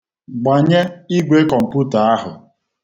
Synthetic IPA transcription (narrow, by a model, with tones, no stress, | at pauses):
ɡ͡ba˨ɲe˦i˦ɡʷe˦kɔ˨m̩˨pu˦ta˨a˦ɦʊ˨